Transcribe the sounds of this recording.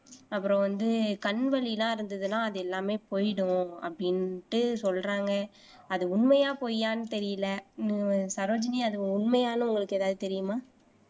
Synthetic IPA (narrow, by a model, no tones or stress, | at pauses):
ɐpːɯɾõʋɐnd̪ɯkɐɳʋɐlɪlãːɪɾɯnd̪ɐðɯlãːɐðɯɛlːaːmeːpoːjɪɽɯ̃ɐ̰pːɐɽɪnʈːɯsɔlɾaːŋɡɐ | ɐðɯʊɳmɐjaːpoːjaːnɯt̪ɛɾɪjɪlɐnsaɾoːd͡ʒɐniɐðɯ̃ʊɳmɐjaːnɯ̃ʊŋɡɐɭɯkːeːðaːðɯt̪ɛɾɪjɯmaː